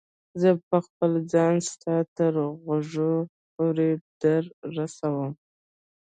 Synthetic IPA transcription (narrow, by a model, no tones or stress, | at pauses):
zəpəxpəld͡zɑnst̪ɑt̪əɾɣaʐo | poɾed̪̥əɾːasawəm